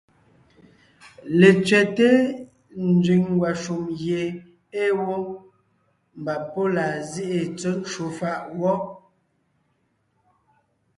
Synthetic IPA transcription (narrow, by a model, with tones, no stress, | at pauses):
le˨t͡sɥɛ˨te˦ | n˦d͡zɥi˨ŋ˦ɡwa˨ʃu˨mje˨ | e˦wo˦ | m˨ba˨po˦la˨zi˦ʔe˨t͡sə˦n˦t͡ʃu˨fa˨ʔwɔ˦